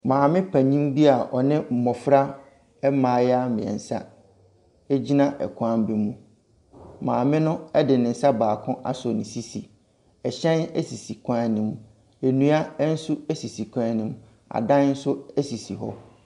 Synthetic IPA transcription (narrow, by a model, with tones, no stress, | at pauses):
mãː˨mɪ̃˦pʰa˨ɲĩ˦mbi˦a˨ʔɔ˨nɪ̃˦m̩˨mɔ˨fɾa˦ | ɛ˦mãː˨˦˨ja˦mɪ̃˨ɛ̰̃˨n̩˨sa̰˦ | e˦d͡ʑi˦nã˦ʔɛ̰˨kʰã˦m˦bi˦mũ˨ | mãː˨mɪ̃˦nʊ̃˦ɛ˦dɪ˨nɪ̃˨n̩˨sa˦baː˨kʰʊ̃˦ʔa̰˦sɔ˨nɪ̃˨si˦si˨ | ɛ˨ɕɛ̃˦nɛ̰˦si˨si˨kʰã˦nɪ̃˨m˨ | e˨nũ˦a˦ɛ˦n̩˦su˦ɛ˦si˨si˨kʰʷã˦nɪ̃˦m˦ | a̰˨dã˦n˦n̩˦sʊ˦ɛ˦si˨si˨ɦɔ̰˦